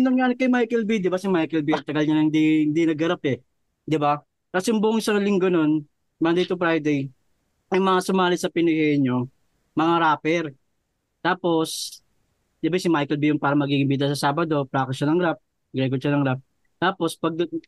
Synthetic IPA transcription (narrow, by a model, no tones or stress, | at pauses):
ɪnɐŋɲaanɐkːɐjmajkɛlbid̪ɪbasɪmajkɛlbiɐt̪ɐɡɐlɲɐnɐhɪnd̪ihɪnd̪inɐɡɐɾapɛ | d̪ɪba | k̪ɐsjʊmbʊʔʊŋʔɪsɐŋlɪŋɡono̞n | mɐnd̪ejt̪ʊfɾajd̪ɛj | ʊmɐŋasʊmaːlɪsɐpɪnɪhɛɲo̞ | mɐŋaɾaːpɛɾ | t̪aːpo̞s | d̪ɪbasɪmajkɛlbijʊnpaːɾɐmɐɡiːɡɪmbit̪̬ɐsɐsaːbɐd̪o̞pɾaːkɐʃɐnɐŋɾap̚ | ɡɾɛɡoʃanɐŋɾap̚ | t̪aːpo̞spɐɡ̚d̪